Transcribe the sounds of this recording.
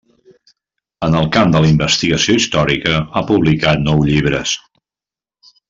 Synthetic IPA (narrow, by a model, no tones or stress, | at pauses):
ənəlˠkamd̪əlimbəst̪iɣəsioist̪ɔɾikəapuβlikat̪nɔwʎiβ̞ɾəs